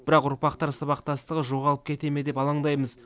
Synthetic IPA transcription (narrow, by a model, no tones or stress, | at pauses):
b̥ɪɾɑqʊɾpɑqt̪ɑɾsɑβɑqt̪ɑst̪əʁəʒo̞ʁɑlˠəp̚kʲʰe̞t̪e̞me̞d̪e̞pɑlˠɑɴd̪ɑjməz